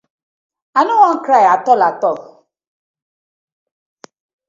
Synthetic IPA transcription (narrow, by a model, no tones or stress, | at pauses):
anʊŋɔŋ̩kɾajatɔlatɔ